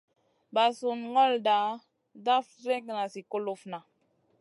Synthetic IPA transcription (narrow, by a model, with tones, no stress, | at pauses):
ba˨su˨nŋɔ˦lda˨˦ | da˦fɾe˦kna˨si˨ko˦lo˦fna˨